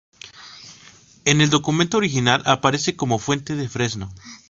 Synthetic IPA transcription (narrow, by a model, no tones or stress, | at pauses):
e̞ne̞ld̪o̞kumẽ̞nt̪ooɾixinalʔapaɾe̞se̞ko̞mo̞fwe̞nt̪e̞ðe̞fɾe̞zno̞